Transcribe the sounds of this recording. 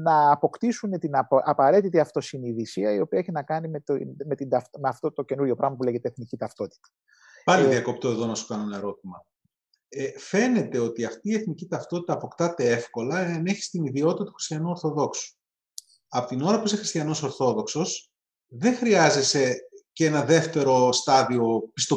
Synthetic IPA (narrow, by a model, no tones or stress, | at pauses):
nɐːpo̞kt̪isunet̪inɐʔɐpɐɾe̞t̪it̪iɐft̪o̞siniðisiɐio̞piɐeçinɐkɐnimet̪me̞t̪id̪ɐft̪meɐft̪ot̪o̞ce̞nuɾʝo̞pɾɐɣmɐpule̞ʝe̞t̪eeθnicit̪ɐft̪o̞t̪i̥t̪ɐ̥ | pɐliðiɐko̞p̚t̪oeðonɐsu̥kɐnenɐeɾo̞t̪̚imɐ | efe̞ne̞t̪e̞o̞t̪iɐft̪iːe̞θnicit̪ɐft̪o̞t̪it̪ɐːpo̞kt̪ɐt̪e̞e̞fko̞lɐeɐneçi̥st̪iniðio̞t̪it̪ɐt̪u̥xɾi̥st̪jɐnuo̞ɾθo̞ðo̞ksu̥ | ɐpot̪ino̞ɾɐpuisexɾist̪çɐno̞so̞ɾθo̞ðo̞kso̞s | ðe̞ŋxɾiɐze̞se̞ce̞nɐðe̞ft̪e̞ɾo̞st̪ɐðio̞pi̥st̪o̞